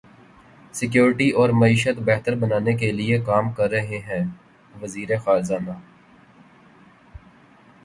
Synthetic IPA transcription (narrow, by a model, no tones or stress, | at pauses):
sɪkjoːɾʈiʔɔːɾmɐiːʃət̪bɛɦt̪əɾbɐnaːnek̬eliekaːmkɐɾːɐɦeɦɛ̃ː | ʋɐziːɾexaːɾzaːnaː